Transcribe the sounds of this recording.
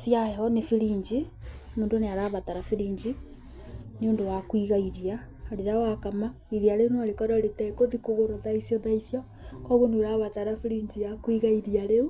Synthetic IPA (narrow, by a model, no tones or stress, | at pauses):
sjaheɔnefiɾiːɲd͡ʒimoːndoneaɾaβataɾafiɾiːɲd͡ʒi | niondowakwiɣaiɾiaː | ɾeɾawakama | iðiaɾeunoaɾekɔɾaɾetɛkoðikoɣoɾoðaisjɔðaisjɔ | kɔβoneɾaβataɾafiɾiɲd͡ʒijakwiɣaiɾiaɾeu